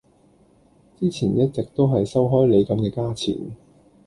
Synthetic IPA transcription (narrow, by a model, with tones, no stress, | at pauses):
t͡siː˥t͡sʰiː˨˩njɐ˥t̚t͡sɛ˨k̚t̪o˥wɦɐ˨jsɐ˥wɦɔː˥jle˨˧jkɐ˨˧mkɛː˧kaː˥t͡sʰḭː˨˩n